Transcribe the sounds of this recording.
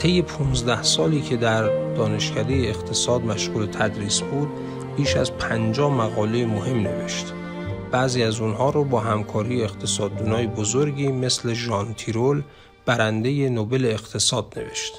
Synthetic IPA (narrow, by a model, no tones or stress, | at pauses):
t̪ʰe̞jːe̞pʰunzd̪æhsɒːliːcʰe̞d̪æɾd̪̥ɒːne̞ʃcʰæd̪e̞jeːxt̪ʰe̞sɒːd̪mæʃɣ̥uːle̞t̪ʰæd̪ɾiːsbuːd̪̚ | biːʃæzpʰænd͡ʒɒːmæɣɒːle̞jemohe̞mne̞̰ve̞ʃt̪ | b̥æːziːæzunɦɒːɾobɒːɦæmkʰɒːɾiːjeext̪ʰe̞sɒːd̪ːuːnɒːjebozoɾɟiːme̞sle̞ʒɒːnt̪ʰiɾol | b̥æɾænd̪e̞je̞nobe̞le̞ːxt̪ʰe̞sɒːd̪̚ne̞̰ve̞̰ʃt̪